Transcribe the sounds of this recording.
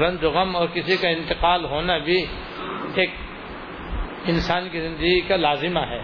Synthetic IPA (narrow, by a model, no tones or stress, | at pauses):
ɾɐ̃nd̪ɾʊɣəmɔːɾkɪsikaɪ̃nt̪ɪqaːlɦoːnabʱi | eːk̚ | ɪ̃nsaːnkizɪ̃nd̪əɡikalaːzɪmaɦɛː